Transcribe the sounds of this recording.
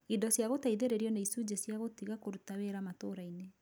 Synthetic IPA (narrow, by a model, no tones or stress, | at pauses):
idɔsjaɣotaiðeɾeɾiɔneisud͡ʑesjaɣotiɣakoɾutaweɾamatoɾaine